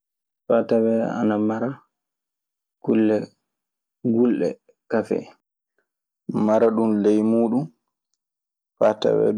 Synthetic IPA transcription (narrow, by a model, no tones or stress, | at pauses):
fatawɛa̰namaɾa | kulːɛ | ɡulɗɛ̰ | kafɛ̰ | maɾaɗunlejmuːɗum | fata̰wɛ̰